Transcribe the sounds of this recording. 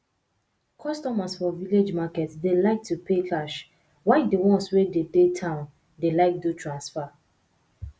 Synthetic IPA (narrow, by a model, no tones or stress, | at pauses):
kʰɔstɔmasfɔviled͡ʒmakɛtsdelaɪk̚tupʰekʰaʃ | waɪdewɔ̃nswededetʰãʊ̃n | delaɪk̚dotʰɹãnsfa